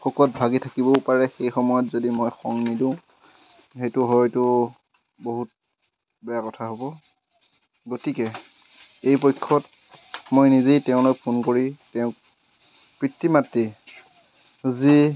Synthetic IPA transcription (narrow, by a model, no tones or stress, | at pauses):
xɔkɔt̚bʱaɡitʰakibɔpaɹɛxejxɔmɔjɔtzodimojxɔŋnidũʊ̃ | xejtʊɦɔjtʊ | boɦut̚ | bɛjakɔtʰaɦobɔ | ɡotikɛ | ejpojkʰːɔt̚ | mojnizejtɛʊ̃lojpʰunkoɹitɛʊ̃ | pɹitːimatɹi | zi